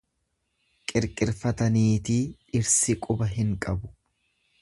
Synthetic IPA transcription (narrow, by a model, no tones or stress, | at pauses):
kʼɪɾkʼɪɾfɐt̪ɐniːt̪iːɪɾsɪkʼʊbɐɦɪŋkʼɐbʊ̥